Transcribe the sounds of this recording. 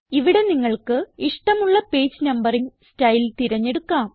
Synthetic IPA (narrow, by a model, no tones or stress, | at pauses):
iʋiɽe̞niŋːɐɭkɨiʂʈɐmuɭːɐpeːd͡ʑɨnɐmbɐriŋstɐjilt̪iɾɐɲːe̞ɽukːaːm